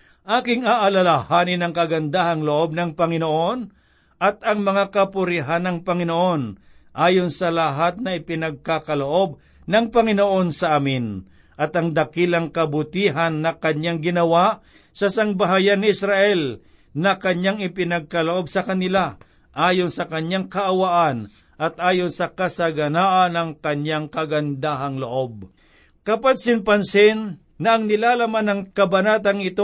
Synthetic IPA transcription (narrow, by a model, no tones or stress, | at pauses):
ʔaːkɪŋaʔɐlalahaːnɪnɐŋkɐɡɐnd̪ahɐŋloʔo̞b̚nɐŋpɐŋɪnoʔo̞n | ʔɐt̪̚ɐŋmɐŋakɐpʊɾɪɦanɐŋpɐŋɪnoʔo̞n | ʔaːjonsɐlɐɦat̪̚nɐɪpɪnɐɡ̚kakɐloʔo̞b̚ | nɐŋpɐŋɪnoʔo̞nsɐʔaːmɪn | ʔɐt̪ɐŋd̪ɐkilɐŋkɐbʊt̪iːɦɐnːɐkɐɲaŋɡɪnɐwaʔ | sɐsaŋbaɦajanːɪɪsɾaʔɛl | nɐkɐɲjaŋɪpɪnɐɡ̚kɐloʔo̞bsɐkɐnɪla | ʔaːjonsɐkɐɲaŋkɐʔɐwaʔan | ʔɐt̪̚ʔaːjonsɐkɐsɐɡɐnaːʔɐnɐŋkɐɲjaŋkɐɡɐnd̪aːɦɐŋloʔo̞b̚ | kɐpansɪnpɐnsɪnː | ɐːŋnɪlaːlɐmanɐŋkɐbɐnaːt̪ɐŋɪt̪o